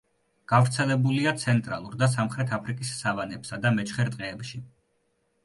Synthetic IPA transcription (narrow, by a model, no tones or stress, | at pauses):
ɡ̥avɾt̪sʰɛlɛbuliat̪sʰɛnt̪ʼɾa̰lˠuɾd̪as̬amχɾɛt̪ʰapʰɾikʼisːavanɛpsad̪amɛt͡ʃʰχɛɾt̪ʼqʼɛːpʃi